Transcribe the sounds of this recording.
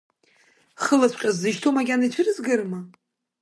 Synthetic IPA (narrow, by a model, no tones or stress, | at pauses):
χəlat͡ɕʰʷqʲʼazːɨʒtʰomaɡʲanait͡ɕʷʰɨrɨzɡɨrma